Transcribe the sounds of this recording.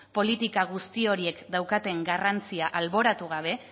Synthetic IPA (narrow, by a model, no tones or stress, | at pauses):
po̞lit̪ikaɣust̪io̞ɾie̞kd̪awkat̪e̞ŋɡarant͡siaʔalβo̞ɾat̪uɣ̞aβ̞e̞